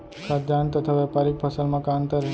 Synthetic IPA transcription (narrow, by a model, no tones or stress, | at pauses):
kʰad͡ʒ̪ant̪ət̪ʰaʋɛpaɾik̚pʰəsəlmãkãnt̪əɾ